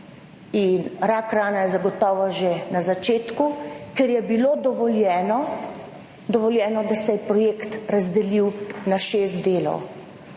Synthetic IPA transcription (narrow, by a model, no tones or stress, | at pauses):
inɾaːkɾaːnajɛzaɡɔt̪ɔːʋɔʒenazat͡ʃeːt̪kukɛɾjɛbiloːd̪ɔʋɔljɛːnɔ | d̪ɔʋɔljɛːnɔd̪asɛjɛpɾɔjeːkt̪ɾazd̪ɛliwnaʃeːst̪d̪eːlɔ̰w